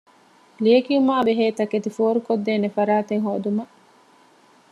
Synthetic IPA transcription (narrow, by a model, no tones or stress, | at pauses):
liekiumaːbeɦeːt̪ɐket̪ifoːɾukod̪ːeːnefɐɾaːt̪eŋɦoːd̪umɐ